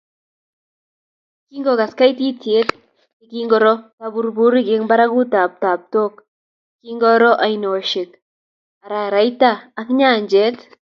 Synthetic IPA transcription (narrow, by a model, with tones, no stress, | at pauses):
ki˦ŋɡɔ˨ka˨ska˦iti˦tje˦t | iki˦ŋɡɔ˨ɾɔ˦pabu˨ɾbu˦ɾi˦kɪ˦ŋba˦ɾa˦ku˦ta˨p̚taː˨p̚to˦k̚ | ki˦ŋɡɔ˦ɾɔ˦ʔa˨ino˨ʃɪ˨k̚ | a˨ɾa˨ɾa˨jtaː˦kɲaː˦˨ɲd͡ʒɛ˦t